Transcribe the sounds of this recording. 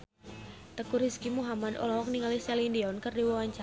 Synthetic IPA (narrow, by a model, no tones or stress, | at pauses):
t̪əkuɾiskimuɦamad̪ɔ̰lɔɦɔk̚niŋalisɛlindiɔnkərdiwawaɲt͡ʃa